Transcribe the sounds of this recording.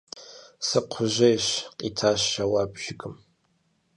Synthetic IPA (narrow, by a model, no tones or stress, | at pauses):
sɨqʷʰʊʒɐjɕqʼitʰaːʃːawabʒ̥ɪkʼɨm